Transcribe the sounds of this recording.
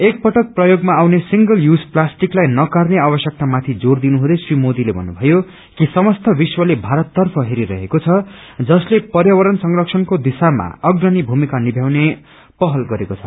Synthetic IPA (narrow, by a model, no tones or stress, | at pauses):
ek̚pʌʈʌk̚prʌjoɡmaːwnesiŋɡʌljud͡zplasʈiklajnʌkarneabʌsjʌk̚t̪amat̪ʰid͡zord̪inuɦud̪ʌjsrimod̪ilebʱʌ̰nːubʱʌjo | kisʌmʌst̪ʰʌbiswʌlebʱaɾʌt̪ːʌrpʰʌɦeɾiɾʌ̰ɦekot͡sʰʌd͡zʌslepʌrjawʌɾʌnsʌŋrʌksʰʌnkod̪isama̰ʌɡnʌnibʱumikanibʱjawne | pʌɦʌlɡʌɾekot͡sʰʌ̥